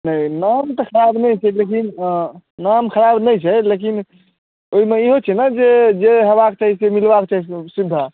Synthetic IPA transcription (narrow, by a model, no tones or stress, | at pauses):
nəjnamt̪ɔxʰəɾabnɛjt͡ʃʰɛlekin | namkʰəɾabnəjt͡ʃʰɛlek̬in | oimeiɦot͡ʃʰɛnad͡ʒed͡ʒeɦəbak̚t͡ʃaɦisemilbaket͡ʃaɦisesid̪ʱːa